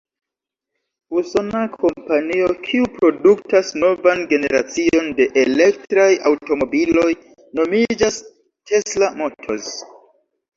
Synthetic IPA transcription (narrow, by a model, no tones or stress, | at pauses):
usonakʰo̞mpanio̞kʰiupɾo̞duktasno̞vanɡe̞ne̞ɾat͡sio̞nde̞ʔele̞k̚tɾajawto̞mo̞bilo̞j | no̞mid͡ʒas | tʰe̞slamo̞tʰo̞̰s